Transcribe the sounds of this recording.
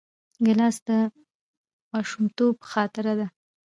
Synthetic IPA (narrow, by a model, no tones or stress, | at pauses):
ɡɪlɑsd̪ə | mɑʃumt̪opxɑt̪ɪɾad̪a